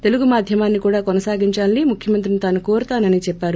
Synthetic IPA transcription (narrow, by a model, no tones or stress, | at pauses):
t̪e̞luɡumaːd̪ʱjɐmaːnːikuːɽaːkɔnɐsaːɡiɲt͡ʃaːlnimukʰjɐmɐnt̪ɾinit̪aːnukoːɾut̪aːnɐnit͡ʃɛpːaːɾu